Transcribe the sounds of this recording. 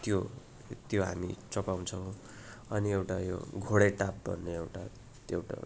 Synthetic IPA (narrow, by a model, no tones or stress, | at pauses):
t̪jo | t̪joɦa̰mit͡sʌpaw̃t͡sʰʌw̃ | ʌniewʈajo̰ɡʱoɽeʈap̚bʱʌ̰nːeewʈa | ewʈa̰